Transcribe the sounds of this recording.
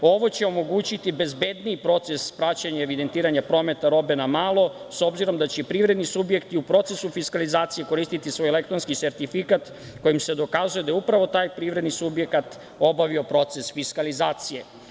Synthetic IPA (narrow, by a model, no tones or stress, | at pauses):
o̞ʋo̞t͡ɕeo̞mo̞ɡuːt͡ɕit̪ibe̞zbe̞d̪niipɾo̞t̪se̞spɾat͡ɕaɲaeʋid̪e̞nt̪iːɾaɲapɾo̞ːme̞t̪aɾo̞be̞namaːlˠo̞so̞bziɾo̞md̪at͡ɕepɾiːʋɾe̞d̪nisubje̞kt̪iupɾo̞t̪se̞sufiskalizaːt̪sije̞ko̞ɾiːst̪it̪isʋo̞ːjele̞k̚t̪ɾonskise̞ɾt̪ifikat̪ | ko̞jimse̞d̪o̞kazuje̞d̪ajeupɾaʋo̞t̪aːjpɾiʋɾe̞d̪nisubje̞kat̪ | o̞baʋio̞pɾo̞t̪se̞sfiskalizaːt̪sije